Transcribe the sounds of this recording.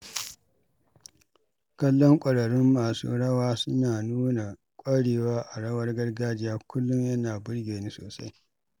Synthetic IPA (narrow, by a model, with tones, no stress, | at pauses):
kɐ˦lːɔ˦ŋkʷʼɐ˨ɽɐ˨ɽɪ˦mːaː˨sṵː˦ɽɐ˦waː˦sʊ˦naː˨nuː˦na˨ | kʷʼɐ˦ɽeː˨waː˦ʔa˨ɽɐ˦wɐ˦rɡɐ˦rɡaː˦d͡ʒɪ˦jaː˦kʷʊ˦lːʊ˦ɲjɐ˦naː˨bʊ˦rɡʲeː˨niː˦so̰ː˨sa̰˦j